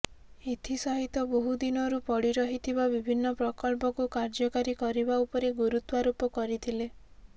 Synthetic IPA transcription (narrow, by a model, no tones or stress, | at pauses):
et̪ʰisɔɦit̪ɔboɦud̪inɔɾupɔɽiɾɔɦit̪ʰibabibʱinːɔpɾɔkɔɭpɔkukaɾd͡ʒɔkaɾikɔɾibaupɔɾeɡuɾut̪waɾupɔkɔɾit̪ʰile